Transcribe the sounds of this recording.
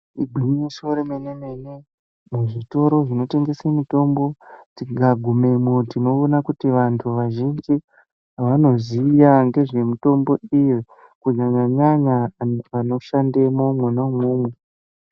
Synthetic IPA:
iɡʱwimimisoɾemeneme̞ne | muʐito̞ɾo̞ʐino̞te̞ŋɡe̞semito̞mbo̞tiɡʱaɡʱume̞motino̞ːnakutiʋantʰuʋaʒind͡ʒi | ɦaʋano̞ziːjaŋɡe̞ʐe̞mito̞mbo̞ije | kuɲaɲaɲaɲaʋano̞ʃandemomwenamwuːmwe

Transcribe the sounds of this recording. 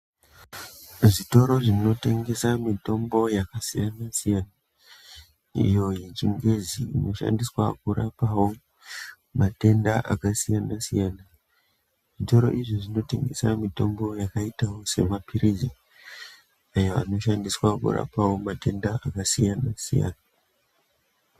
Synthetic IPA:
ʐito̞ɾo̞ʐino̞te̞ŋɡe̞samito̞mbo̞jakasijanasijana | ḭjo̞jet͡ʃiŋɡe̞ziːno̞ʃa̰ndiswakuɾapawo̞ | mate̞ndaʔa̰kasijanasijana | ʐito̞ɾo̞̰ʔiʐoʐino̞te̞̰ŋɡe̞̰samito̞mbo̞jakaitawo̞se̞̰mapʰiɾizi | ajoa̰no̞ʃandiswakṵra̰pawo̞mate̞ndaakasijanasḭja̰na

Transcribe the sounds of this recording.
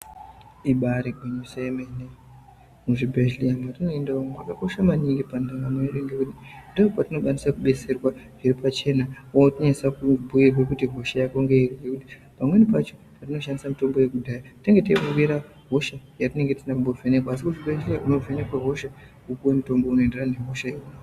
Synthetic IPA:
iɓaɾiɡʱeɲosajemene | muʐibʱeʒlijamatino̞endaomumakako̞ʃamaniŋɡipandaŋɡamweneɗeŋɡekutindoʐopatino̞ɓanisakuɓe̞se̞rwaʐ̥iripʰat͡ʃe̞naotiɲasakubʱujirwe̞kutiɦo̞ʃajako̞ŋɡeiriŋɡekuti̥ | pamwe̞nipat͡ʃo̞patino̞ʃandisamito̞mbo̞je̞kudʱajateŋɡe̞tipurwiɾa | ɦo̞ʃajatine̞ŋɡe̞tinakumbo̞vʱenekwaːs̬ikuʐibeʒlijaʔuno̞vene̞kwaɦo̞ʃa | kukuwemuto̞mbo̞uno̞enderane̞ɦo̞ʃajekua

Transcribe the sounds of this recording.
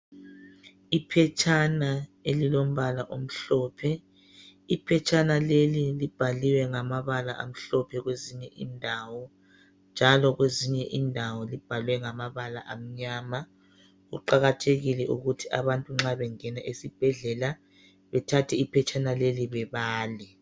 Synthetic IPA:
ipʰɛt͡ʃʰʼanaelilom̩βalaʔom̩ɬɔpʰɛ | ipʰɛt͡ʃʰʼanalelilib̥ʱaliwɛŋamaβala̰ʔa̰m̩ɬɔpʰɛɣweziɲɛʔindʱawɔ | nd͡ʒʱalɔɣweziɲɛʔiːndʱawɔlib̥ʱalwɛŋamaβala̰ʔam̩ɲaːma | ɣṵǃaɣatʰeɣilɛʔuɣutʰiʔaβantʼuŋ͡ǁaβɛŋɛnaʔesib̥ʱɛɮɛla | βɛtʰatʰɛipʰɛt͡ʃʰʼanaleliβɛβaːli

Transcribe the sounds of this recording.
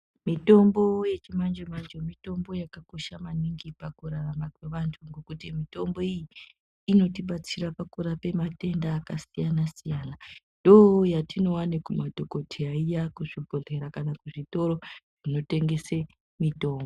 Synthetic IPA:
mito̞mbo̞je̞t͡ʃimand͡ʒemand͡ʒomito̞mbo̞jakako̞ʃamaniŋɡipakuɾaramakwe̞ʋantʰuŋɡo̞kutimito̞mbo̞ijiː | no̞tiɓat͡siɾapakuɾape̞mate̞ndaːkasijanasijaːnandojatino̞wanekumadʱoko̞tʰiaijakuʐibʱoɮe̞ɾakanakuʐito̞ɾo̞ʐino̞te̞ŋɡe̞se | mito̞ːmbo

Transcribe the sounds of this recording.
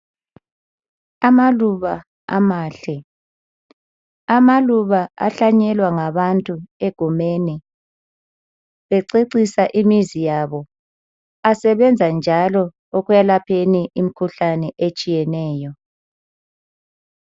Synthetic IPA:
amaluβa | a̰maːɬɛ | amaluβaa̰ɬaɲɛlwaŋaβantʼueɡ̥ʱumeni | βɛǀeǀisaʔimizijaβɔ | asɛβɛnd͡zʱand͡ʒʱalɔ | oɣujalapʰeniʔim̩kʰuɬanɛʔet͡ʃʼijɛnɛːjɔ

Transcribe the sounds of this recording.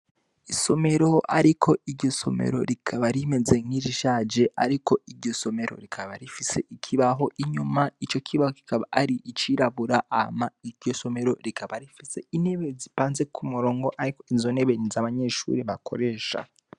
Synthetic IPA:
iso̞meɾo̞a̰ɾikʰoiɾɟo̞so̞̰mḛɾo̞̰ɾikʰaβaɾime̞ze̞ŋiʒiʃaːd͡ʒe̞a̰ɾiko̞iɾɟo̞so̞me̞ɾo̞̰ɾikʰaβaɾifise̞ʔikʰiβaɦo̞ʔiɲumait͡ʃo̞kʰiβahoki̥kaβa̰aɾiit͡ʃiɾaβuɾaʔaamaiɾɟo̞so̞me̞ɾo̞̰ɾikʰaβaɾifise̞ine̞βezipaːnze̞kʰumuɾo̞ːŋɡo̞ʔaɾiko̞izo̞ne̞βenizaβaɲe̞ʃṵɾiβakʰo̞̰ɾe̞ːʃa̰

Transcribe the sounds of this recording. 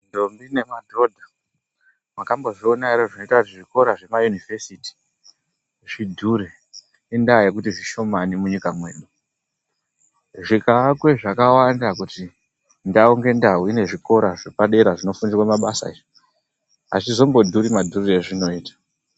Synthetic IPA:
ndo̞mbine̞madʱo̞dʱa | makambo̞ʐionairoʐino̞itakut̬iʐiko̞ɾaʐe̞majunive̞siti̥ | ʐidʱuɾe | indaje̞k̬utiʐiʃo̞manimuɲikamwe̞ːɗu | ʐikaːkwe̞ʐakawandakuti | ndauŋɡe̞ndauine̞ʐiko̞ɾaʐepaɗe̞ɾaʐino̞funirwamaɓasa̰iʐi | a̰sizombo̞dʱuɾimadʱureʐino̞iːtḁ

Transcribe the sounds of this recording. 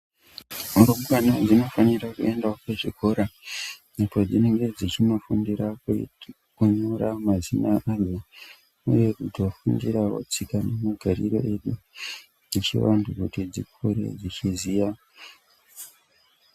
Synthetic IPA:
uɾomkanod͡zino̞fanirakue̞ndakweʐikʰoɾanipo̞d͡zine̞ŋɡe̞d͡zit͡ʃino̞fundiɾak | kuɲoɾamazinaʔazo | ṵje̞kutwofundiɾawo̰t͡sikanemaɡʱaɾḭɾo̞̰ʔe̞ɗu | d͡zit͡ʃḭwandukutid͡zḭkʰuɾḛd͡zit͡ʃizija

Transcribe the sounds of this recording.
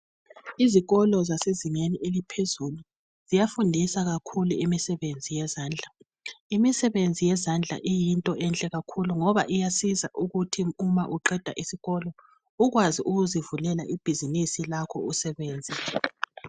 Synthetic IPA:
iziɣɔlɔzaseziŋeniʔelipʰezulu | z̥ijafundʱisaɣakʰuluimisɛβend͡zʱijɛzaːnd͡ɮʱa | imisɛβend͡zʱijɛzand͡ɮʱa̰ʔijintʼɔʔɛnt͡ɬʼɛɣakʰuluŋɔβa̰ʔijasiza̰ʔuɣutʰiumaʔuǃɛd̥ʱa̰ʔisiɣɔlɔ | uɣwaziʔuɣuzivulɛlaʔib̥ʱizinisilakʰɔ̰usɛβeːnd͡zʱɛ

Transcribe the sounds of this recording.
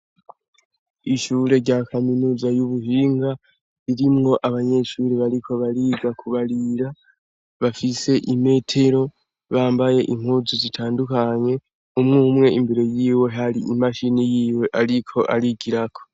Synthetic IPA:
iʃuːɾe̞ɾɟaːkʰaminuːzajuβuhiːŋɡa | iɾimŋo̞ʔaβaɲe̞ʃuːɾiβaɾikʰo̞βaɾiɡakʰuβaɾiɾa | βafise̞ʔime̞ːtʰe̞ɾo̞ | βaːmbaje̞ʔiŋ̥huzuzitʰaːndukaɲe̞ | umŋuːmŋe̞imbeɾe̞jiːwe̞ɦaɾiimaʃinijiːwe̞ʔaɾikʰo̞ʔaɾiɡiɾakʰo̞̥

